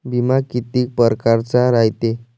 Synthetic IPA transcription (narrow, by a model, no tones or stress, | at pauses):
bimakit̪iːk̚pəɾkaɾt͡saɾajt̪e